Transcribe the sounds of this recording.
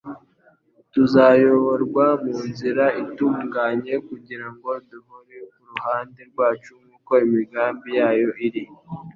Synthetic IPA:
tuzajo̞βo̞ɾɡwamuːnziɾaituːŋɡaɲe̞kuɟiɾaŋɡo̞duhoɾekuɾuhaːnde̞ɾɡwaːt͡ʃuŋɡuːko̞imiɡaːmbijaːjo̞ʔiɾi

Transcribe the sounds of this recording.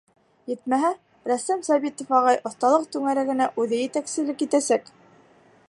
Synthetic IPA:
jɘt̪mæɦæ | ɾæst̪æmsɑβit̪ŏfɑʁɑjʔŏθt̪ɑlˠɤq̚t̪ʉŋæɾæɡɘ̆næʔʉðɘjɘ̆t̪æksɘ̆lɘkjit̪æsæk

